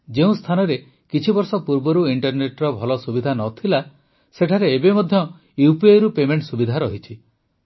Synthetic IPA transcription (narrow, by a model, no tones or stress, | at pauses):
d͡ʒeũst̪ʰanɔɾe | kit͡ʃʰibɔɾsɔpuɾbɔɾuiɳʈɔɾneʈɾɔbʱɔlɔsubid̪ʱanɔt̪ʰila | seʈʰaɾeːbemɔd̪ʱjɔ | jupieɾupemeɳʈsubid̪ʱaɾɔɦit͡ʃʰi